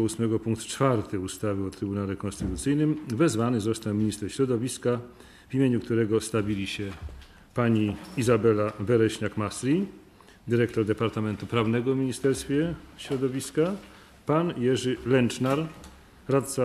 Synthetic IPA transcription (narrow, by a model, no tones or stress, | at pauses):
usmɛɡɔpuŋk̚t̪t͡ʂfaɾt̪ɘust̪avɘɔt̪ɾɘbunalɛkɔnst̪ɘt̪ut̪sɘjnɘmvɛzvanɘzɔst̪awmʲiɲist̪ɛɾɕɾɔd̪ɔvʲiska | vimʲjeɲukt̪uɾɛɡɔst̪abʲilʲiɕɛ | paɲiizabɛlavɛɾɛɕɲakmasɾʲi | d̪ɘɾɛkt̪ɔɾd̪ɛpaɾt̪amɛnt̪upɾavnɛɡɔvmʲiɲist̪ɛɾst̪fʲjɛɕɾɔd̪ɔvʲiska | panjɛʐɘlɛnt͡ʂnaɾ | ɾat̪̚sa